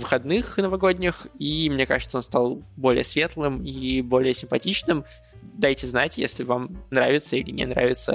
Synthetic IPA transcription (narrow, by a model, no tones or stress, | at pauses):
vɨxɐd̪nɨxnəvɐɡo̞dʲnʲɪximnʲe̞ka̰ʐɨt̪onst̪alˠbo̞lʲɪ̰jəsvʲe̞t̪lˠɨmibo̞lʲɪjəsʲɪmpɐtʲit͡ɕnɨm | d̪ajtʲɪznatʲjḛsʲlʲɪvamnɾavʲɪt̪səilʲɪnʲɛ̰nɾa̰vʲɪt̪sə